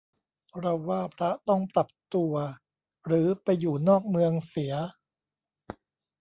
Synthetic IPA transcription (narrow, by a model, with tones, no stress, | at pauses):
pʰɾɔ˦˥waː˥˩pʰɾa˦˥t̪ɔ˥˩ŋpɾa˨˩p̚t̪u˧ɐ | ɾɯː˩˦pa˧jːuː˨˩nɔː˥˩k̚mɯ˧əŋsi˩˦ɐ